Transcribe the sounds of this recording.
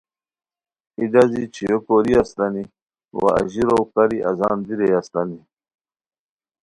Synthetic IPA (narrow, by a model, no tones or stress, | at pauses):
id̪azit͡ɕʰijokoɾiast̪ani | wa̰a̰ʑiɾowkaɾiʔa̰zaːnd̪iɾejaslani